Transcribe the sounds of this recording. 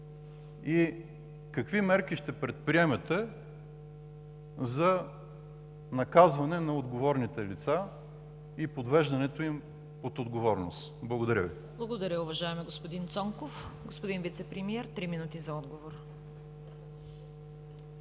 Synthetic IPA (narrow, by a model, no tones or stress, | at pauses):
i | kɐkvimɛɾkiʃt̪ɛpɾɛt̪̚pɾiɛmɛt̪ɛ | zɐ | nɐkazvɐnɛnɐod̪ɡovɔɾnit̪ɛlit̪sa | ipod̪vɛʒd̪ɐnɛt̪oim | ot̪od̪ɡovɔɾnos | blˠɐɡod̪ɐɾʲəvi | blˠɐɡod̪ɐɾʲəʊvɐʒaɛmɛɡospod̪int̪sɔŋkofɡospod̪invit̪sɛpɾɛmiɛɾt̪ɾiminut̪izɐɔd̪ɡovoɾ